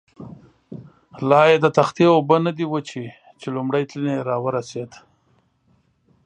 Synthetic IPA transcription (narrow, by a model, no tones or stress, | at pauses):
lɑjed̪ət̪axt̪eobənad̪iwət͡ʃi | t͡ʃelʊmɽajt̪lineɾɑwəɾased̪